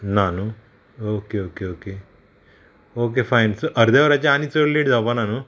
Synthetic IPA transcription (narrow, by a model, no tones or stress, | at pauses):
nanu | okeoːkeoːke | oːk̬efajnsoʔəɾd̪eʋɐɾat͡ɕaanit͡sollːeɖd͡zapananu